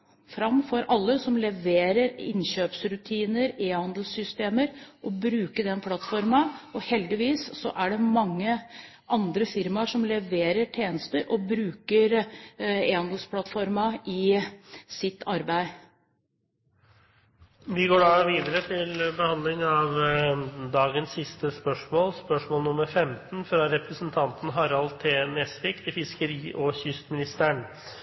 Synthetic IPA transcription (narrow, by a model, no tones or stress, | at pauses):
fɾɑmːfɔɾʔɑlːəsɔmlɛʋeːɾəɾɪ̰nɕøːpsɾʉt̪ʰiːnəɾeːhɑnd̪l̩sʏst̪eːməɾʔɔbɾʉːkəɖ̪ɛnpʰlɑt̪fɔɾmɑɔhɛld̪ɪʋiːsːɔʔæɖɛmɑŋːə | ʔɑnd̪ɾəfɪɾmɑʂɔmlɛʋeːɾəʈʰjeːnəst̪əɾʔɔbɾʉːkəɾ | eːhɑnd̪l̩spʰlɑt̪ːfɔɾmɑʔɪ | sɪt̪ːʰɑɾbæɪ | ʋɪɡoːɖɑʋiːd̪əɾət̪ʰɪlbəhɑnd̪lɪŋɑʋ | d̪ɑːɡənsːɪst̪əspœʂmoːlspœʂmoːlnʊməɾfɛmt̪n̩fɾɑɾɛpɾəsənt̪ʰɑnt̪n̩ɦɑɾɑlt̪ʰeːnɛsʋɪkt̪ʰɪfɪskəɾiːʔɔçʏst̪mɪnɪst̪əɳ